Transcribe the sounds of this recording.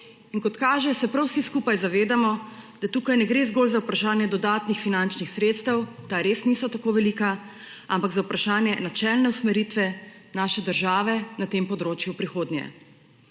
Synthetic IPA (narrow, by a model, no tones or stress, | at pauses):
inkɔt̪kaːʒɛsɛpɾawsiskupajzaʋeːd̪amɔd̪̥at̪uːkajnɛɡɾezɡoːlzawpɾaʃaːnjɛd̪ɔd̪aːt̪nixfinant͡ʃnixsɾeːt̪st̪əwt̪aɾeːsnisɔt̪akoːʋɛliːka | ampaɡzaupɾʔaʃaːnjɛnat͡ʃɛlnɛusmɛɾiːt̪ʋɛ | naːʃɛd̪əɾʒaːʋɛnat̪empɔd̪ɾoːt͡ʃjupɾixoːd̪njɛ̰